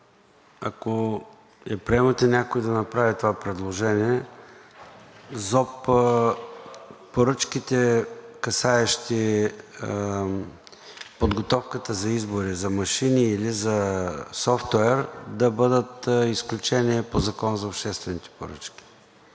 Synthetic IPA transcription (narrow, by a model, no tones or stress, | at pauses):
a̰ko | ɛpɾiɛmət̪ɛnʲakoid̪ɐnɐpɾavit̪ovapɾɛd̪lˠoʒɛniɛ | zɔp | pːoɾɤt͡ʃkit̪ɛkɐsaɛʃt̪i | pod̪ɡot̪ɔfkət̪əzɐizboɾizɐmɐʃiniːlizɐsɔft̪wɛɾd̪ɐbəd̪ət̪isklʲut͡ʃɛniɛpozɐkɔnəzɐopʃt̪ɛst̪vɛnit̪ɛ̥poɾə̰t͡ʃkʲi̥